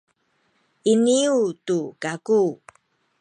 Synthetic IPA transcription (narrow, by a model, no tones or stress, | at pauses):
iniutukaku